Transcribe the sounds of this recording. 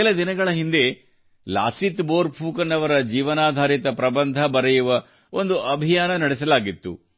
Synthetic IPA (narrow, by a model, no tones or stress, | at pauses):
elɐd̪inɐɡɐɭɐɦind̪e̞ | la̰ːsit̪boːɾpʰuːkɐnːɐʋɐɾɐd͡ʒiːʋɐnaːd̪ʱaːɾit̪ɐpɾɐbɐnd̪ʱɐbɐɾɐjuʋɐ | ond̪uʔɐbʱijaːnɐnɐɽisɐlaːɡit̪ːṵ